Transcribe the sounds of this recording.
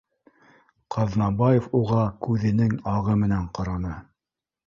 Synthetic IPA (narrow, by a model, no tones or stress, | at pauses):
qʰɑðnɑbɑjefuʁɑkʉðɘ̆nɘŋɑʁɤmɘ̆næɴqŏɾɑnɤ